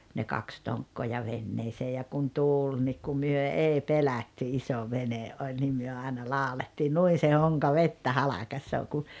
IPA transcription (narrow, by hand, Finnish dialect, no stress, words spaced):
ne kɑks toŋkːoː jɑ ʋenːeːseː jɑ kun tuːl nik ku myø ei pelɑtːy iso ʋeneʔ ʔolʲ nim myø ɑenɑ lɑˑoletːiː nuin̞ se hoŋkɑ ʋetːæ hɑlɑkɑsːoː ku